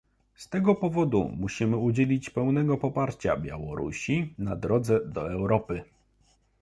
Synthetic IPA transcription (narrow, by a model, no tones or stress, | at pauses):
st̪ɛɡɔpɔvɔd̪ṵmuɕimɘud͡ʑelʲit͡ɕpɛwnɛɡɔpɔpaɾt͡ɕa̰bʲja̰wɔɾṵɕinad̪ɾɔd̪zɛd̪ɔɛwɾɔpɘ